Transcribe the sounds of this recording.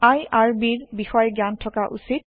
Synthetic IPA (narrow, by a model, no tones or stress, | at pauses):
ajaɹbiɹbixɔjɡjantʰɔkaʔṵsit̚